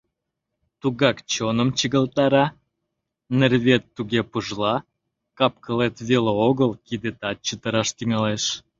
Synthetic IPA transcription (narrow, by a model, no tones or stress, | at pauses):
t̪uɣɑkt͡ɕonəmt͡ɕəɣəlt̪ɑɾɑ | nerβʲet̪ːuɣepəʒlɑ | kɑp̚kʰəlet̪βeleoɣəlkid̪et̪ɑt̪̚t͡ɕət̪əɾɑʃt̪yŋɑleʃ